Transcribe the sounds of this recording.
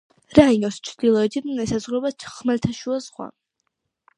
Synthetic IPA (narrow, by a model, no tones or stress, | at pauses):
ɾainɔst͡ʃʰd̪̥ilˠɔɛt̪ʰinɛsazʁɾɔbat͡ʃʰχmɛlt̪ʰaʃuazʁwa̰